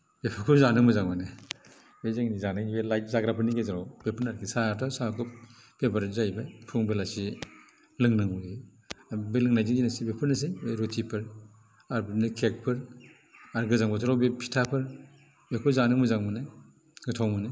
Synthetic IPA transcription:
bepʰɯkʰuzanɯŋmɯzaŋmane | bezaŋnizanajibelaj̚zaɡɾapʰɯɾniɡezaɾawb̥epʰɯɾnaɾkʰisatʰɔsakʰup̚ | b̥ebaɾzajbapʰuŋbelasi | lɯŋnɯŋmui | belɯŋnajziŋɡinasibepʰɯɾnɯs̬ebeɾotʰipʰɯɾ | aɾbɯnɯkʰek̚pʰɯɾ | aɾɡɯzaŋbɔzaɾawbepʰi̥tʰapʰɯɾ | bekʰuzanɯŋmɯzaŋmɯnɯ | ɡɯtʰawmɯne

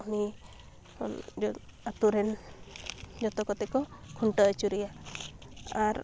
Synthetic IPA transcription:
uni | d͡ʒɔat̪uɾɛn | d͡ʒɔt̪ɔkɔt̪ɛkɔkʰuɳʈɔt͡ʃuɾɛja | aɾ

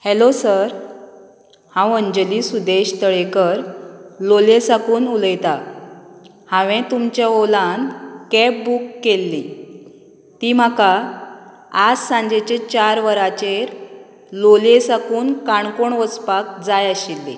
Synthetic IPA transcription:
helosəɾ | hãwəɲd͡ʑəlisud̪eɕt̪əɭekəɾlolesakuːnuləjt̪a | hãʋɛ̃t̪umt͡ɕjaolãnkɛp̚bukːelːĩ | t̪im̤aka | ad͡zsãɲd͡ʑet͡ɕẽt͡ɕaɾʋəɾat͡ɕeɾ | lolesakuːnkaɳkoɳʋəspak̚d͡zajəɕilːḭ

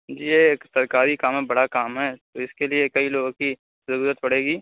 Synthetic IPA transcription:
d͡ʒiːjeːksɐɾkaːɾikaːmɦebɐɽakaːmɦɛːt̪oɪskeliekɐiloːɡõki | sʊɾuːɾət̪̚pɐɽ̤eːɡiː

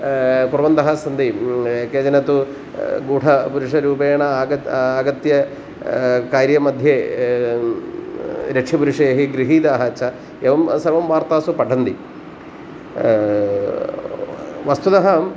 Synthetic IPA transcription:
puɾʋɐnd̪ɐɦɐsɐnd̪iekeːd͡ʑɐnɐt̪ːu | ɡuːʈʰɐpuɾuʂɐɾuːbeːɳɐɐaːɡɐt̪jɐ | kaːɾjɐmɐd̪ʱje | ɾekʂipuɾuʂɐjɐɦiɡɾiɦiːd̪aːɦɐt͡ʃʰɐ | eʋɐmsɐɾʋɐmʋaːɾt̪aːsupɐɖʰʱɐnd̪i | ʋɐst̪ud̪ɐɦɐm

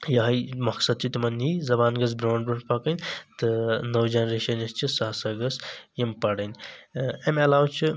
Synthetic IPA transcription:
jɐɦɐjmɐksɐd̪̚t͡ʃʰit̪imɐnizɐbaːnɡɐz̬bɾaːɳɖbɐʈpɐkɐnʲt̪ɨnɐwd͡ʒɐnɾeːʃɐnɐst͡ʃʰisɐɦsɐɡɐsjimpɐɽɐnʲ | emɐlaːwt͡ʃʰi

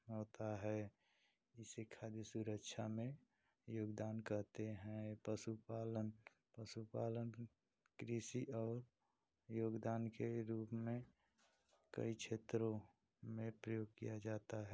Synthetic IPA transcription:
ɦoːt̪aɦɛ | ɪsekʰaːd̪isuɾəkʃʰamẽ | joːɡd̪aːnkəɾt̪eɦɛ̃pəsupaːlən | pəsupaːlən | kɾisiʔɔːɾ | joːɡd̪aːnkeɾuːpmẽ | kə̰it͡ʃʰeːt̪ɾõ | mẽpɾəjoːɡ̚kḭjad͡ʒaːt̪aɦɛ

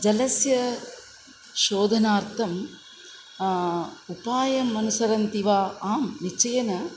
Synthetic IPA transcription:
d͡ʒɐlɐsjɐ | ʃoːd̪ʱɐnaːɾt̪ʰɐm | upaːjɐmːɐnusɐɾɐnt̪iʋaːaːmnit͡ʃɐjɐnɐ

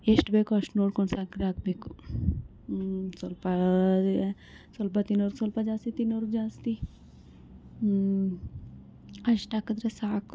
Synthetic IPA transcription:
esʈbekɔʃʈnoːɾkonsaːkɾak̚beku | solpa | solbat̪inoɾuksolpɐd͡ʒaːsit̪inoɾud͡ʒaːst̪i | ɐʃʈakɐd̪ɾɐsaːk

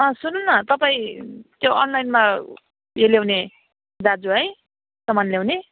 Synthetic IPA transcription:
ʌ̃sununːʌt̪ʌpaĩt̪joʌ̰nlajnma | jeljewne | d̪ad͡zuɦʌj | sʌmanlewne

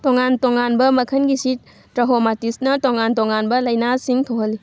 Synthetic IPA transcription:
toŋantoŋanbɐmɐkʰɐnɡisit̚ | tɾɐɦomatisnɐtoŋantoŋanbɐlɐjnasiŋtʰoɦɐlːi

